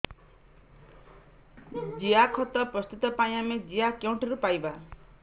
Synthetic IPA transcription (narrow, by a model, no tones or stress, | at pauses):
d͡ʒiakʰɔt̪ɔpɾɔst̪ut̪ɔpaĩamed͡ʒiakawɳʈɔɾupajba